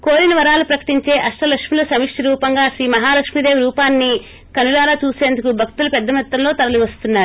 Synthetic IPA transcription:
koːɾinɐʋɐɾaːlupɾɐkɐ̥ʈiɲt͡ʃe̞ːʔɐʂʈɐlɐkʂmilɐsɐmikʂʈiɾuːpɐŋɡaːʃɾiːmɐɦaːlɐkʂmid̪e̞ːʋɾuːpaːnːi | kɐnulaːlaːt͡ʃuːseːnd̪ukubʱɐk̚t̪ulɐpɛd̪ːɐmɐt̪ːɐmlo̞ːt̪ɐɾɐliʋɐst̪unːaːɾu

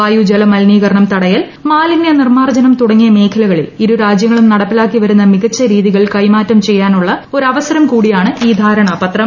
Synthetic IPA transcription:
aːjud͡ʑelɐmɐlniːɣɐɾɳɐmt̪ɐɽɐjɐl | maːlinːɐnirmaːrd͡ʑɐnɐmt̪uɽɐŋːijɐme̞ːkʰɐlɐɣɐɭḭliɾuɾaːd͡ʑjɐŋːɐɭumnɐɽɐpːilaːkːiʋɐɾunːɐmiɣɐt͡ɕːɐɾiːðiɣɐɭkɐjmaːtːɐmt͡ɕe̞jːaːnuɭːɐo̞ɾɐʋɐsɐɾɐmkuːɽijaːɳɨiːd̪ʱaːɾɐɳɐpɐt̪rɐ

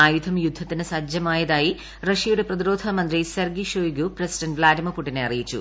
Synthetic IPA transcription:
aːjud̪ʱɐmjud̪ʱːɐt̪ːinɨsɐd͡ʑjɐmaːjɐðaːji | rɐʂijuɽe̞prɐðiɾo̞ːd̪ʱɐmɐnd̪risɐrɡiʂoːjɡuprɐsi̥ɖɐntʋlaːdimɐpːuʈːineɐrijit͡ɕːṵ

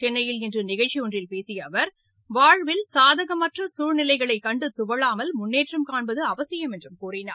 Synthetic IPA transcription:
t͡ʃɛnːɐjɪlɪndrɯnɪɣɐɭt͡ʃːiɔndrɪlpeːsɪjɐʋɐɾ | ʋaːɻʋɪlsaːðɐɣɐmɐʈrɐsuːɻnɪlɐɪɣɐɭɐɪkːɐɳɖɯt̪ʊʋɐɭaːmɐlmʊnːeːʈrɐmkaːɳbɐðɯɐʋɐsɪjɐmɛndrɯmkuːrɪna̰ː

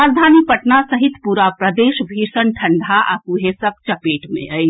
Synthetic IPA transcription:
aɾd̪ʱaːnipɐʈnasɐɦɪt̪puːɾapɾɐd̪eːʃbʱiːʃənʈʰɐ̃ɳɖʱaʔa̰kuɦesɐk̚t͡ʃɐpeːʈmḛ̃əi

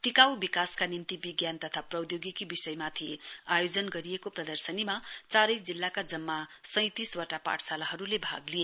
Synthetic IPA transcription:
ʈikawbikaskanint̪ibiɡjant̪ʌt̪ʰaprʌwd̪joɡikibisʌjmat̪ʰiajod͡zʌnɡʌɾijekoprʌd̪ʌrsʌnimat͡saɾʌjsd͡zilːakad͡zʌmːasʌ̃j̃t̪iswaʈapa̰ʈʰsalaɦʌɾulebʱa̰ɡlije

